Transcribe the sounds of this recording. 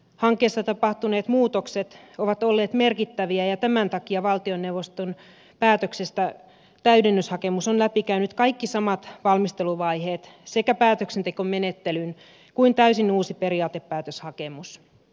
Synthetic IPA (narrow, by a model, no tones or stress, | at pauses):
hɑŋkːˑeːst̪ɑt̪ɑpɑht̪uneːt̪muːt̪okset̪oʋɑt̪olːeːt̪me̞rkit̪ːæʋiæjɑt̪æmænt̪ɑkiɑʋɑlt̪ionːewʋost̪on | pæːt̪øksest̪æ | t̪æydenːyshɑkemusonlæpikæynyt̪kɑikːisɑmɑt̪ʋɑlmist̪eluʋɑiheːt̪sekæpæːt̪øksent̪ekommenet̪ːelyn | kuint̪æysinuːsiperiɑːt̪epːæːt̪øshɑkemus